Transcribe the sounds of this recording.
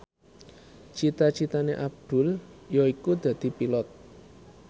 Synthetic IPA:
t͡ʃit̪at͡ʃit̪aneʔab̚d̪̥ʊ̤ljɔikud̪̥a̤d̪̥i̤pilɔt̪̚

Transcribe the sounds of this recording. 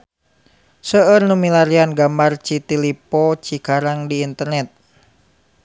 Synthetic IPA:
səərnumilaɾianɡamart͡ʃit̪ilipɔt͡ʃikaɾaŋdiːnt̪ərnɛt̪̚

